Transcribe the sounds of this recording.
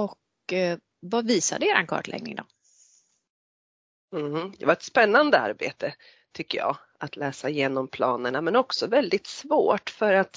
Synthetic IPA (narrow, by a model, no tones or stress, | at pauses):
ɔk | vaviːsa̰d̪əeːɾankʰɑ̰ːʈlʔɛ̰ɡ̚nɪ̰ŋd̪ɔ̰ | m̩hd̪ɛvaɾɛt̪spɛnːand̪əa̰ɾbḛːt̪ʰə | t̪ʰʏkːəjɑ̰ː | at̪ʰlɛːsaɪjeːnɔmpʰlɑːnəɳamɛnɔksɔvɛld̪ɪt̪svoːʈfœɾat̪